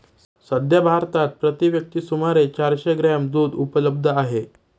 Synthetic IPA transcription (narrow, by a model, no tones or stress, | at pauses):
səd̪ʱjabʱaɾt̪at̪̚pɾət̪iʋjək̚t̪iːsumaɾet͡ɕaɾɕeɡɾamd̪uːd̪upələb̚d̪ʱəaɦe